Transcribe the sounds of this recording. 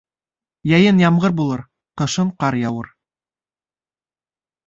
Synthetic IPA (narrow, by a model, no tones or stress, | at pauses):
jɑjɤnjɑmʁɤɾbulˠɤɾ | qɤ̆ʃɤɴqɑɾjɑwɤ̰ɾ